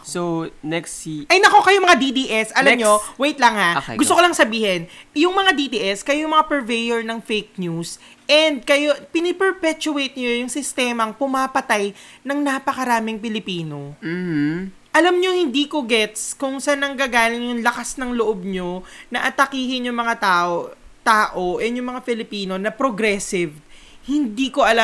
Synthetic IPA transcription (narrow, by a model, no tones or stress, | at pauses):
sownɛksʔɐjnɐko̞kɐjomɐŋad̪id̪iːʔɛsʔɐlɐmmɲowejt̪lɐŋha̰ɡʊst̪okolɐŋsɐbiːhɛnjʊŋmɐŋad̪id̪iːʔɛskɐjojŋmɐŋapɛɹvejoɹnɐŋfejk̚nus | ʔɛnd̪̚kɐjopɪnɪpɛɹpɛt͡ʃʊejt̪̚ɲojʊŋsɪst̪ɛmɐŋpʊmapɐt̪ajnɐŋnapɐkɐɾaːmɪŋpɪlɪpiːno̞m̩ːh | ʔɐlɐmɲohɪnd̪iːkoɡɛt̪skʊŋsɐnɐŋɡaːɡaːlɪŋjʊŋlɐkasnɐŋloʔob̚ɲo̞nɐʔɐt̪ɐkiːhɪnjʊŋmɐŋat̪aːʔot̪aːʔoʔɛnjʊŋmɐŋafɪlɪpiːno̞nɐpɾoɡɾɛsɪv | hɪnd̪iːko̞ʔɐla